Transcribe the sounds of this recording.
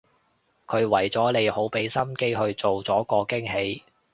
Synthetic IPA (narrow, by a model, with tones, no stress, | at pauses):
kʰɵ˨˧ɥwɐ˨˩jt͡sɔː˨˥le˨˧jho˨˥wpe˨˥jsɐ˥mke˥jɦɵ˧ɥt͡so˨wt͡sɔː˨˥kɔː˧kɪ˥ŋɦe˨˧j